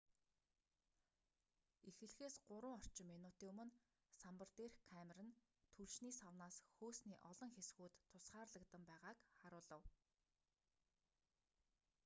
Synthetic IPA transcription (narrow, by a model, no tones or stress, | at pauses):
ixɘ̆ɮxeːsɢʊɾwʊːŋɔr̥t͡ɕɪ̆mːenʊt̪iːŋɵmɵ̆n | sampə̆rt̪erkʰameɾɘ̆n | t̪ʰuɮʃniːsawnaːsxoːsniːʔɔɮɞ̆ŋxesɡuːt̪ʰːʊsχaːrɮə̆kt̪ə̆mpæːʁaːkχaɾʊːɮə̆w